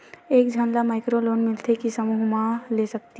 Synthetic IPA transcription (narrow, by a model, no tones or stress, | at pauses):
eːkd͡ʒʱanlamaːɪkɾoloːnmɪlt̪ʰekisəmuːɦmãlesɐk̚t̪i